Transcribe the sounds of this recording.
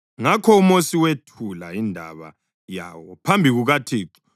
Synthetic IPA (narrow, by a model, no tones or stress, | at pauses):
ŋakʰɔumosiwetʰulaindʱa̰βa̰ | ja̰ːwɔpʰambʱiɣuɣatʰiːǀu̥